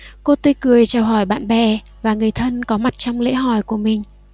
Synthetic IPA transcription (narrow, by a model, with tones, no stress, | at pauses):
ko˧t̪i˧kɨ˨˩əjt͡ɕaː˨˩wɦɔ˧˩jɓa̰ː˧˨nɓɛ˨˩ | vaː˨˩ŋɨ˨˩əjt̪ʰə˧nkɔ˨˦ma˨˩t̚t͡ɕɔ˧wŋ͡mlḛ˧˥ɦɔ˧˩jku˧˩əmï˨˩ŋ̟